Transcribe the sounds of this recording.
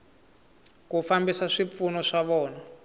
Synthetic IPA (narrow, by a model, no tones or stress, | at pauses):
kufambisaʂip̪funɔʂaβɔːna